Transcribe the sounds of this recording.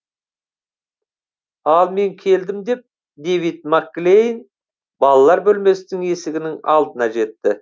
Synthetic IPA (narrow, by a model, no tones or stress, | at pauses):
ɑlˠme̞ŋkʲʰe̞ld̪ɪmd̪e̞p̚ | d̪ejvit̪̚makːlʲejn | bɑlˠɑlˠɑɾbɵlme̞st̪ɪŋe̞sɪɡʲɪnɪŋɑ̰lˠd̪ənɑʒe̞t̪ːɪ